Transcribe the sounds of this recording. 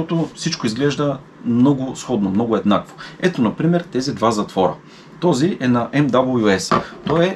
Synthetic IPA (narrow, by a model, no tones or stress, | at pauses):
ɔt̪ofsit͡ʃkʊizɡlɛʒd̪ə | mnɔɡʊsxɔd̪nomnɔɡʊɛd̪nakvoɛt̪onɐpɾimɛɾt̪ɛzid̪vazɐt̪vɔɾə̰ | t̪ɔziɛnɐʔɛmd̪abəlˠjuɛst̪ɔɛ